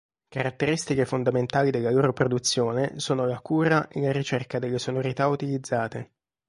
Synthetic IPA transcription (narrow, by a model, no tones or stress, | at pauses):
kaɾat̪ːeɾist̪ikefond̪ament̪aːlid̪elːaloːɾopɾod̪ut̪sːjoːnesoːnolakuːɾaʔḛlaɾit͡ʃerkad̪elːesonoɾit̪aut̪ilid̪zːaːt̪e